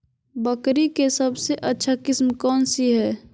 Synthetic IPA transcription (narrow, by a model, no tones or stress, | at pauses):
bəkɾikesɐbseʔətːʃʰakɪsmkɔːnsiɦɛː